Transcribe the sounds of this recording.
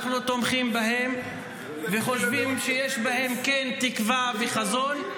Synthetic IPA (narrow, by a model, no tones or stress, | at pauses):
χnut̪omχimbahe̞m | veχo̞ʃvimʃejeʃbahe̞mkent̪ikvaveχazon